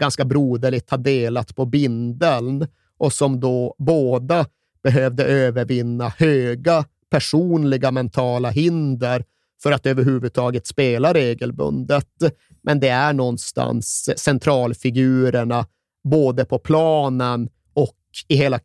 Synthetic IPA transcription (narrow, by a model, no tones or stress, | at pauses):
ɡ̥anskabɾuːd̪əɭɪɡ̚t̪had̪eːlat̪pʰɔbɪnd̪əln | ʔɔsɔmd̪ɔboːd̪a | b̥ɛɦøːvd̪əʔøːvəɾvɪnːahøːɡa | pʰæʂuːnlɪɡamɛnt̪ʰɑːlaɦɪnd̪əɾ | fœɾat̪øːvəɾɦʉ̟ːvɵd̪̚t̪ʰɑːɡət̪speːlaɾeːɡəlbɵ̰nd̪ət̪ | mʔɛnd̪ɛæɳɔnːst̪ʰa̰nssɛnt̪ʰɾɑːlfɪɡʉ̟ːɾəɳa | boːd̪əpʰɔpʰlɑːnən | ɔk | ɪɦeːla